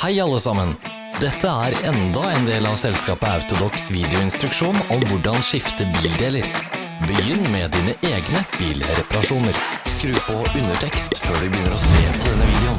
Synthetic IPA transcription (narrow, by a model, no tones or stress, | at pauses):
hæɪɑlːəsɑmən | d̪ɛt̪ʰːəæɾɛnd̪ɑɛnd̪eːlɑʋsɛlskɑːpəɑʉt̪ʊd̪ɔksʋiːd̪ɪʊɪnst̪ɾʉkʂuːnɔmʋʊɖɑnʂɪft̪əbiːld̪eːləɾ | bəjʏnːmɛd̪iːnəʔeːɡnəb̥iːlɾɛpɑɾɑʂuːnəɾskɾʉːpɔʉnəʈʰɛkst̪føːɖʉbəjʏnːəɾɔseːpʰɔd̪ɛnːəʋiːd̪ɛʊn